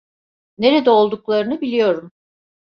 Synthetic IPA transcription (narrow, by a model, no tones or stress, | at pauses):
ne̞ɾed̪ɛo̞lˠd̪uklˠaɾɯnɯbilʲijo̞ɾum